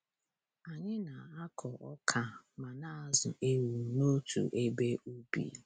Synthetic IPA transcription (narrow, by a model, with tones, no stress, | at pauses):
a˨ɲɪ˦na˨a˦kʰɔ˨ɔ˦kʰa˨ma˨na˦a˨zʊ̰˨ʔe˦ɾu˨no˦tʰṵ˨ʔe˦be˦u˦bḭ˨